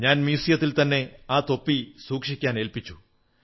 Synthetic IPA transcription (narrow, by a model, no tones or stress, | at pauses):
ɲaːnmiːsijɐt̪ːilt̪ɐnːe̞aːt̪o̞pːisuːkʂikʲːaːnelpit͡ɕːu